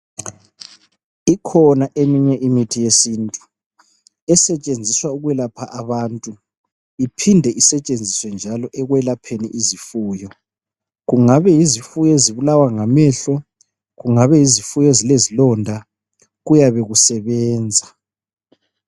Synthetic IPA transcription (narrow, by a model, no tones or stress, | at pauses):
ikʰɔnaʔemiɲɛʔimitʰijesiːntʼu | ɛsɛt͡ʃʼend͡zʱiswauɣwɛlapʰaʔaβantʼu | ipʰindʱɛʔisɛt͡ʃʼend͡zʱiswɛnd͡ʒʱalɔʔɛɣwɛlapʰenḭʔizifuːjɔ | ɣuŋaβɛjizifujɔeziβulawaŋamɛːɬɔ | ɣuŋaβɛizifujɔezilezilɔndʱa | ɣujaβɛɣusɛβɛːnd͡zʱa